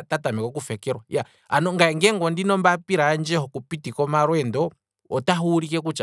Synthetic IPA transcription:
tatamikɔk̬ufɛkɛɾwaja | anɔŋɡaɛŋɡɛŋɡɔndinɔmbapiɾaːnd͡ʒɛhɔkupitikɔmaɾwɛndɔ | ɔtaɦuːɾikɛkut͡ʃa

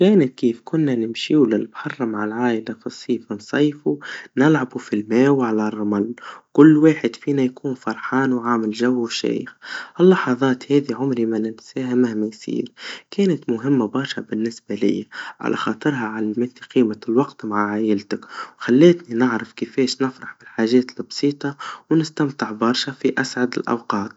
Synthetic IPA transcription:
keːnakiːfkʊnːanɪmʃiːwlɪlbħɑrˤːɑmaʕalʕaːjlafisˤːiːfɪnsˤɑjfunɪlʕabufilmaːwʕalarˤːɑmalːkʊlːwaːħɪd̪fiːnajkuːnfɑɾˤħɑːnwʕaːmɪlʒawːwʃḛːjɪ̰xʔɪlːɑħɑðˤɑːt̪heːðiʕʊmɾimanɪtsæːɦɪmahmajsḭːɾkeːnat̪mʊɦɪmːabɑɾˤʃa̰bɪnːɪsbalɪ̰jaʕa̰lʔa̰xɑːt̪ˤɨɾɦaʕalamɪt̪iqiːmalwɑqt̪maʕaʕaːjɪlt̪akwxalːeːt̪ninɪʕɾɑfkɪfeːʃnɪfɾɑħbɪlħaːʒeːt̪lbsˤiːt̪ˤɑwnɪst̪amt̪ɪʕbɑɾˤʃafiʔasʕad̪ɪ̰lʔɑ̰wqɑːt̪̚

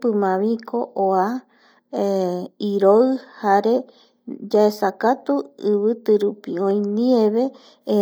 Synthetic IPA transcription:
pɨmãβikʰoʔoa | eiɾoɨhaɾe̞ | d͡ʒaesakat̪uɨβɨt̪ɨɾupiõĩnieβe | ẽ

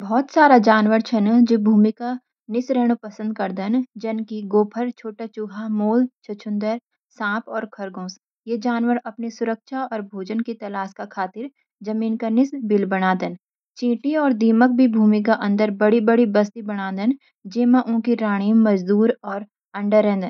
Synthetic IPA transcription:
bɔːt̪saːɾad͡ʒaːnʋəɾt͡ʃʰɐnd͡ʒeːbʱuːmika | nɪsɾɛːɽ̃upɐsə̃nd̪̚kɐɾd̪ənd͡ʒɐnkiɡoːpʰəɾt͡ʃʰoːʈat͡ʃʊɡʱamoːlt͡ʃʰɐt͡ʃʰʊ̃nd̪əɾ | sãːpɔːɾkʰɐɾɡõːs | jeːd͡ʒaːnʋəɾɐpnisʊɾəkʃaɔːɾbʱoːd͡ʒənkit̪ɐlaːskakʰaːt̪ɪɾ | d͡ʒɐmiːnkanɪsbɪlbɐɽ̃aːd̪ən | t͡ʃĩːʈiɔːɾd̪iːmək̚bʱibʱuːmik̬aʔɐ̃nd̪əɾbɐɽibɐɽibɐs̬t̪ibɐɽ̃aːd̪ən | d͡ʒeːmãʔʊ̃kiɾaːɽ̃iːmɐd͡ʒd̪uːɾɔːɾ | ɐ̃ɳɖəɾẽːnd̪ən

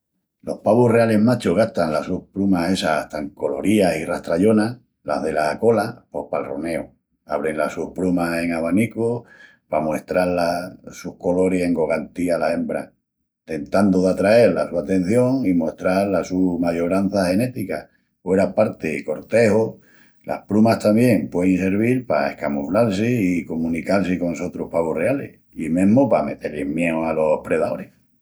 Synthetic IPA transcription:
lo̞hpaβure̞ale̞ɦmat͡ʃoɣ̞aht̪aŋlasuhplumase̞saaht̪aŋko̞lo̞̰ɾiasiraht̪ɾaʎo̞na | la̰ɦðe̞lasako̞lapo̞hpalrone̞o | aβ̞ɾenlasuhpɾumase̞ŋaβaniko | pamwe̞hst̪ɾaɾlasuhko̞lo̞ɾese̞ŋɡo̞ɣant̪ialae̞mbɾa | t̪e̞nt̪and̪oðat̪ɾae̞ɾlasuat̪e̞n̟θjo̞ŋimwoehst̪ɾaɾlasumaʝoɾan̟θahe̞ne̞t̪ika | fwe̞ɾapaɾt̪eko̞ɾt̪e̞ho | lʔa̰hplumaht̪ambje̞ŋpweðeŋse̞ɾβ̞iɾpa̰ehkamuflaɾs̬iikomũnikalsiko̞nso̞t̪ɾuhpaβorealḛh | imẽɦmopame̞t̪eɾlehmjeoalo̞hpɾe̞ðao̞ɾe

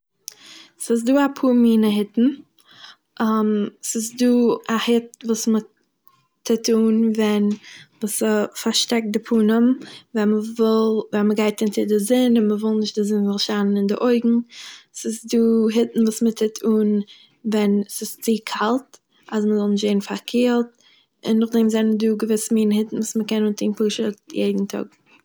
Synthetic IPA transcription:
sɪs̬duːapʰuːɾmiːnəɦɪtn̩ | ʔamsɪs̬duːahɪtvuːsmə | tʰɪtuːnvɛnvuːsəfaɾʃtɛk̚t̚dɪpʰuːnəmvɛməvɪlˠvɛnməɡaɪtɪntɪdɪzɪnɪnməvɪlˠnɪʃt̚dɪzɪnvɔlˠʃanənɪndɪʔoɪɡŋ̩sɪsduːɦɪtn̩vuːsmətʰɪtʰuːn | vɛnsɪst͡sikʰalˠt | asməzɔlˠnɪʃtzeɪn̩faɾkʰeːlˠt̚ | ɪ̰nːʊχdɛmzɛnəduːɡəvɪsəmiːnhɪtn̩vuːsməkɛnuːntʰiːnpuːʃətjḛɪdn̩tʰʊ̰ɡ

